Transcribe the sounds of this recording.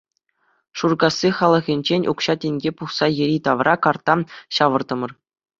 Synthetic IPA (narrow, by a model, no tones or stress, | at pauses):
ʂurɡɑsʲːiχɑlˠɤ̆ʁʲinʲd͡ʑenʲʔṵkɕɑtʲeŋʲɡʲepuχsɑjɘ̆ɾʲit̪ɑʋrʔɑkɑrt̪ɑɕɑʋɤ̆rd̪ɤ̆mɤ̆r